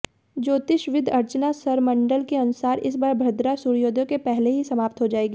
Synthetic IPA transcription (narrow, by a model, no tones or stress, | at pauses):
d͡ʒoːt̪ɪʃʋɪd̪ʱɐɾt͡ʃnasɐɾmɐ̃ɳɖəlkeɐnʊsaːɾɪ̰sbaːɾbʱɐɾd̪ɾasuɾjoːd̪ʱõkepɛɦleɦisɐmaːpt̪ɦod͡ʒaːeːɡiː